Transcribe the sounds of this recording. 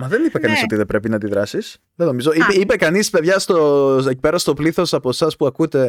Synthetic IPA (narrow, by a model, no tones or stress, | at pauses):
mɐðe̞nipekɐniso̞t̪iðebɾe̞pinɐd̪iðɾɐsis | ðeno̞mizo̞ipipe̞kɐnispe̞ðʝɐst̪o̞ecipe̞ɾɐst̪o̞pliθo̞sɐposɐspuɐkut̪e̞